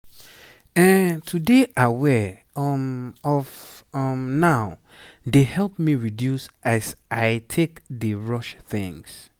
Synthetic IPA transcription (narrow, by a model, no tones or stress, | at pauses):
ɛ̃ntʰudeʔawɛ | ɔmɔv | ɔmnaʊ | dehɛlp̚miɹidjusʔazaɪtʰekdəɹɔʃθɪ̰̃ŋs